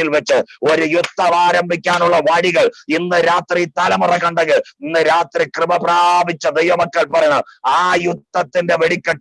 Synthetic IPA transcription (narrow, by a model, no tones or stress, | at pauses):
ilʋet͡ɕːɨoɾujut̪ːɐʋaːɾɐmbʱikʲːaːnuɭːɐʋaːɽiɣɐɭinːɨɾaːt̪rit̪ɐlɐmurɐkːɐɳɖɐɣɡɨinːɨɾaːt̪rikrɨmɐprabʱit͡ɕːɐd̪ejʋɐmɐkːɐɭpɐrɐjɳɐmaːjut̪ːɐt̪ːinde̞ʋeɽikʲːɐ